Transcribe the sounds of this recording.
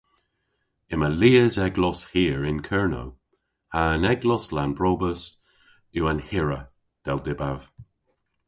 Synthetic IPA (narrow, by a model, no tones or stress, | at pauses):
ɪməliːəzɛɡlɔshiːəɹɪnkʰɛɹno̰w | haːnɛɡlɔslanbɹoːbəs | uːanhɪɹə | d̥ɛldɪbav̥